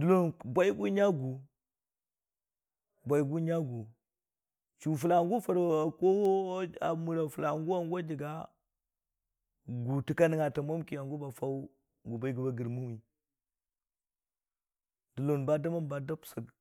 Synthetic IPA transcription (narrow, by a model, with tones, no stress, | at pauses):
du˨lo˦nbʷa˦i˦ɡu˦ɲa˦ɡu˨ | bʷa˨i˨˦ɡu˦ɲa˦ɡu˨ | t͡ʃu˨f̬u˨la˨ŋɡu˦fa˨ɾko˦a˨mu˨ɾa˨fu˨la˨ŋɡu˦a˨ŋɡʷa˦d͡ʒi˨ɡa˦ | ɡu˨ti˨ka˦ni˨ŋa˨ta˨ma˦mki˨a˨ŋɡu˦ba˨fa˦u˦ | ɡu˨ba˨i˦ɡu˨ba˨ɡə˨ɾmu˦wi˨ | du˨lo˨nba˦da˦ma˦nba˨da˦psə˨ɡ